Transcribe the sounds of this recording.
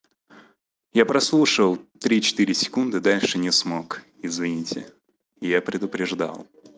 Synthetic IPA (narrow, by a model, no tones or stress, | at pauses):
japɾɐslˠuʂəlˠt̪ɾʲit͡ɕɪ̥t̪iɾʲɪsʲɪ̥kund̪ɨd̪alʲʂɨnʲɪsmo̞k | ɪzvʲɪnʲitʲɪ̰ | ɪjapɾʲɪd̪ʊpɾʲɪʐd̪a̰lˠ